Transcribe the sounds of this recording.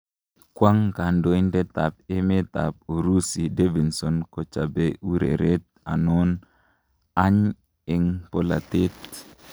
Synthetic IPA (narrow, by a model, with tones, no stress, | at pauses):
kwa˦ŋka˨ndo˦i˦ndɛ˦t̪a˨p̚ɪ˦mɪ˦t̪a̰˨p̚u˨ɾu˦si˨de˦vi˨nsɔ˨nkɔ˨t͡ʃa˨be˨ʔu˦ɾḛ˨ɾe˦t̪̚ | a˨nɔ˦n | a˦ɲ | ɪ˨ŋpɔ˦la̰˨t̪ɪ˦t̪